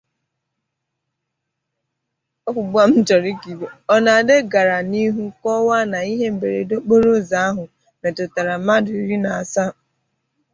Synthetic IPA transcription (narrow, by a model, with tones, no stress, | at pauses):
ɔ˦kʷu˨ɡ͡bu˦a˦m̩˦d͡ʒɔ˨ɾi˦ki˨be˨ɔ˦na˨a˨de˦ɡa˨ɾa˨ni˦ɦu˦kɔ˦wa˦na˨i˦ɦe˦m̩˨be˨ɾḛ˨do˦k͡po˦ɾo˦za˨˦a˦ɦʊ˨ | me˨tʊ˨ta˨ɾa˨ma˦dʊ˨i˨ɾi˦na˨a˨sa˦